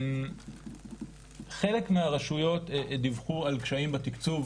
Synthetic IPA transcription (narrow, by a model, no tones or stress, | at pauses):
m | χe̞lekmeaʁaʃujo̞td̪ivχualkʃaimbat̪ikt͡suv